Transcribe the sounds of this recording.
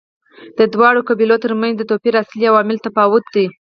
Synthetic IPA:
d̪əd̪wɑɽokabilot̪əɾmanzd̪ət̪opiɾasliawɑmɪlt̪afɑwʊt̪̚d̪i

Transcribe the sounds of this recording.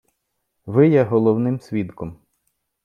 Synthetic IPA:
ʋɪjɛɦɔlˠɔwnɪmsʲʋʲid̪kɔm

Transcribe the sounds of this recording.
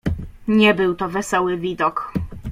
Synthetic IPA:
ɲɛbɘwt̪ɔvɛsɔwɘvʲid̪ɔk

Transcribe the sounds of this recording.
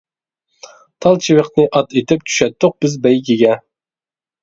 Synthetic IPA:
t̪ʰɑlˠt͡ʃʰiwɪqnɨʔɑt̪ʰet̪ʰɪp̚t͡ʃʰy̥ʃɛt̪ːʊq̚b̥ɪzbɛjɡʲiɡʲɛ

